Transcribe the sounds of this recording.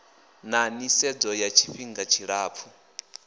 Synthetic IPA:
nanisɛd͡zɔjat͡ʃʰiɸiŋɡat͡ʃʰiɺaːp̪fʰu

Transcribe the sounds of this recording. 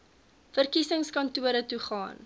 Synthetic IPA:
fərkisəŋskɐntuəɾətuχɑ̰ːn

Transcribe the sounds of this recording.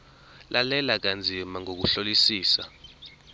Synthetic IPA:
lʔalɛlak̬and͡zʱimaŋok̬uɬolisiːsa

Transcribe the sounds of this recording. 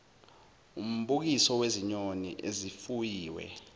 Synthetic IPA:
um̩ɓuk̬isɔweziɲonḭʔezifujiːwɛ̰

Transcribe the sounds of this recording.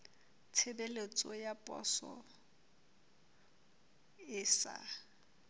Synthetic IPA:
tʰɪbelet͡sʼɔjapʼɔ̰sɔ̰ | ɪːsa̰

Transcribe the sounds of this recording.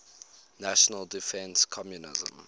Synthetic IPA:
naʃɔnəlˠdifɛ̃nskʰɔmjunɪ̰zə̰̃m

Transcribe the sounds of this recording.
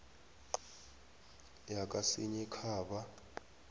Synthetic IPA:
jak̬ʼasiɲɛkʰaːɓa

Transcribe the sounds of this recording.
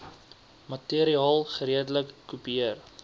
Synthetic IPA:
mɐtiəɾiɑːlˠχəɾiədələkːupiiər

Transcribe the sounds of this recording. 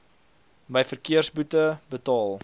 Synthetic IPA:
məjfərkiərsbutəbətɑːlˠ

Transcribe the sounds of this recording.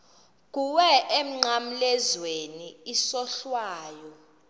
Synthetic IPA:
k̬ʼuwɛʔem̩ŋ͡ǀam̩lɛzweniisɔɬwaːjɔ

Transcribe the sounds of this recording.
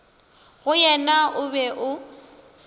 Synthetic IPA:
ɣʊjɛnaʔʊbɛʔʊ

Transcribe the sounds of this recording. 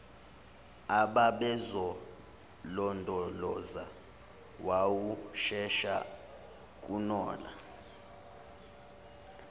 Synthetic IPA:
aɓaɓɛzɔ | lɔndʱɔlɔza | wawuʃɛʃa̰ | k̬ʼunɔ̰ːla̰

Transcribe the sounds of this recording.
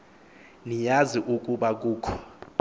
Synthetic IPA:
nijaziʔuk̬ʼuɓak̬uːkʰɔ̥

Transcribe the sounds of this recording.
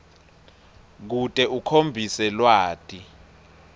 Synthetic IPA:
k̬utʼɛukʰombʱisɛlwaːtʼi

